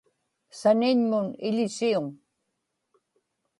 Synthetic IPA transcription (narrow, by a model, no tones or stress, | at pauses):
sanɪɲmʊnɪʎɪsiʊŋ